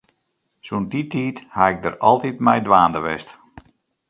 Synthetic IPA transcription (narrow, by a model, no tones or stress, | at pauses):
sunditiːthaɪk̚dərɑlˠtitmɛjdʋaːndəʋɪst